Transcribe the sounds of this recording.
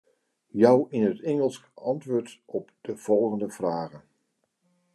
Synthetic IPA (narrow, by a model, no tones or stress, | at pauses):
jʌwɪnɦətɛŋəlˠskɑntʋʊːɹtɔpd̥əv̥ɔlˠχəndəv̥raːχən